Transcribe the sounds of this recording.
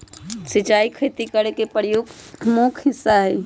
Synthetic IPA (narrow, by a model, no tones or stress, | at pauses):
sit͡ʃaikʰet̪ikəɾekepɾjoɡmokʰɦɪsːaɦɛ